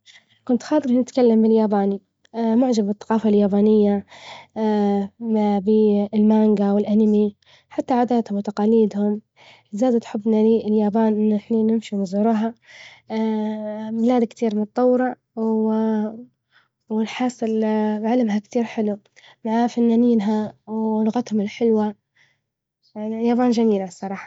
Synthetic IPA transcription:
kʊnt̪xɑːt̪ˤɨɾnɪt̪kalːambɪljaːbaːni | mʊʕd͡ʒabbɨθˤːɑqɑːfaljaːbaːnɪjːa | bɪlmaːŋɡawɪlʔanmi | ħat̪ːaʕaːd̪aːt̪hʊmwɪt̪ɑqɑːliːd̪hʊm | zaːd̪at̪ħɪbːnaliːɪljaːbaːnʔɪnːɪħniːnɪmʃinɪzhʊɾuːɦa | mɪlaːd̪akt̪iːɾmʊt̪̚ˤt̪ˤːɑwːɾɑ | w | wɪlħɑːsˤɨlbʕalɪmɦakt̪iːɾħɪlu | maʕafanːaːniːnɦawlʊɣat̪hʊmɪlħɪlwa | jaːbaːnd͡ʒamiːlasˤːɑɾˤɑːħɑ̥

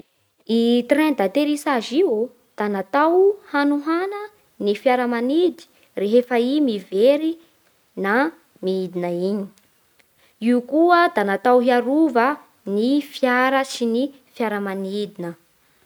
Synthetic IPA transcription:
it̪rɛ̃nd̪at̪eɾisaʒiu | d̪̥anat̪awhanuɦanə | nifjaɾəmanid̪i̥ | reɦefaimiveɾi | na | miid̪inəiɲi̥ | iukuəd̪anat̪awɦiaɾuvə | nifjaɾəsini | fjaɾəmanid̪inə

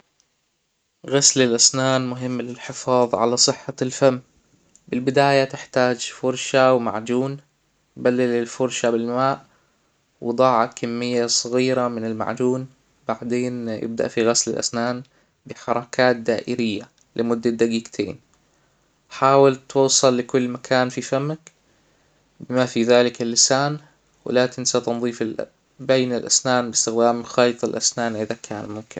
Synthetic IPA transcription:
ɣaslɪlʔasnaːnmʊɦɪmːlɪlħɪfɑːðˤʕa̰lasˤɨħːalfamː | bɪlbɪd̪aːjat̪ɪħt̪aːd͡ʒfʊɾˤʃawma̰ʕd͡ʒuːn | balːɪlɪlfʊɾʃabɪlmaːʔ | wd̪ˤɑːʕɑkʰamːɪjːasˤɑɣiːɾamɪnɪlma̰ʕd͡ʒuːn | b̥aʕd̪eːnjɪ̰b̚d̪a̰ʔfiɣaslɪ̰lʔa̰snaːn | bɪħɑɾˤɑkʰaːt̪̚d̪aːʔɪɾɪjːa | lɪmʊd̪ːad̪aɡiːɡt̪ʰḛːn | ħaːwɪlt̪uːsˤɑlːɪkʊlːmakʰaːnfifamːak | bɪmafiðaːlɪkɪlːɪsaːn | wɪ̰laːt̪ɪnsat̪ɨnðˤiːfɪl | bajnɪlʔa̰snaːnbɪst̪ɪɣd̪aːmxɑːjt̪ˤɪlʔasnaːnʔɪðakʰaːnmʊmkɪn

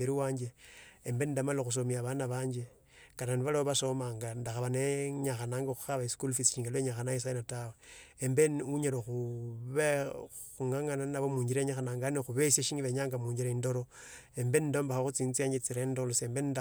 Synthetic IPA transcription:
beɾiwaːɲd͡ʒeembe̞nindamaloxus̬omiaβanaβaːɲd͡ʒe̞ | kananiβalaoβaso̞maŋɡandaxaβaneɲaxanaːŋɡoxu̥xaβaiskulfisʃiːŋɡeloeɲaxanais̬ajnataweembenuɲaloxuβe | xuŋaŋananaβomuːɲɟiɾeɲaxanaːŋɡanexuβesjaʃiːŋiβeɲaːŋɡamuːɲd͡ʒiɾaindo̞ɾoembenindo̞ːmbaxaxut͡siːnt͡siaːɲd͡ʒet͡siɾendoloseːmbenida

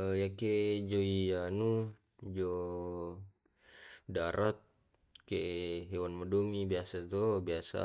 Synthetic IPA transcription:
jaked͡ʒoianu | d͡ʒo | daɾʔat̪̚ | keɦewanmadoŋibiasat̪obiasa̰

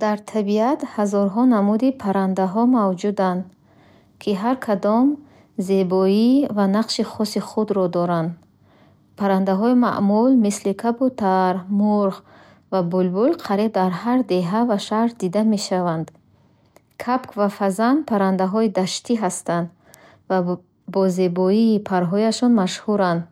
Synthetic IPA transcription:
d̪̥aɾt̪ʰabiat̪hazɔɾɦɔnamud̪ipʰaɾand̪aɦɔmavd͡ʒud̪and̪ | kʰiɦaɾkʰad̪ɔm | ze̞bɔivanaqʃiχɔsiχud̪ɾɔd̪ɔɾand̪ | pʰaɾand̪aɦɔima̰ʔmulmislikʰabut̪ʰaɾmuɾʁ | vabulbulqʰaɾib̚d̪aɾhaɾd̪e̞ɦavaʃaɾɾd̪id̪ame̞ʃavand̪ | kʰapkʰvafazanpʰaɾand̪aɦɔid̪aʃt̪ʰiɦast̪and̪ | va | bɔze̞bɔiːpʰaɾɦɔjaʃɔnmaʃhuɾand̪

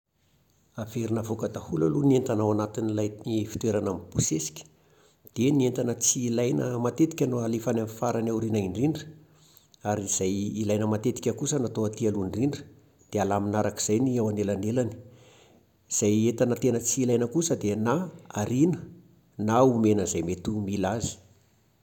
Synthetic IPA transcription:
aveɾinavokəd̪ahulalunient̪anawanat̪inilajnifi̥t̪weɾanamb̥usesi̥kʲə̥ | d̪̥enient̪anət͡siːlajnəmat̪et̪i̥kʲənoalefanamfaɾanawɾinaiɳriɳɖ͡ʐə̥ | aɾiz̥ajilajnəmat̪et̪i̥kʲəkusənat̪oat̪ialunriɳɖ͡ʐə̥ | d̪̥ealaminaɾaki̥z̥ajniawanelanelani̥ | iz̥ajet̪anət̪enət͡siːlajnəkusəd̪enaaɾinə | naumenəzajmet̪umilazi̥

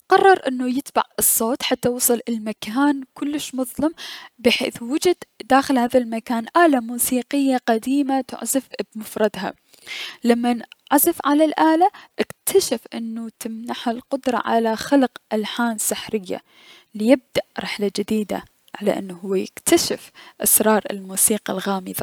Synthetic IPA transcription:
qɑrˤːɑɾˤʔɪnːujɪt̪ba̰ʕɨsˤːoːt̪ħat̪ːawɑsˤɨlʔɪlmakaːnkʊlːɪʃmʊðˤlɑmbɪħḛːθwʊd͡ʒɪd̪d̪aːxɪlhaːðalmakaːnʔaːlamuːsiːqɪjːaqad̪iːmat̪ɪ̰ʕzafbmʊfɾˤɑd̪ɦa̰ | lamːanʕazɪfʕalalʔaːlaʔɪkt̪ʰaʃafʔɪnːut̪ɪmnaħhalqʊd̪ɾˤɑ̰ʕa̰laxalqʔalħaːnsɪħɾɪjːa̰ | lɪjɪb̚d̪aʔɾɪħlad͡ʒɪd̪iːd̪a̰ | ʕa̰la̰ʔɪ̰nːɦʊwːajɪkt̪ʰaʃɪfʔasɾˤɑːɾˤɪ̰lmuːsiːqɑlɣaːmɪðɑ

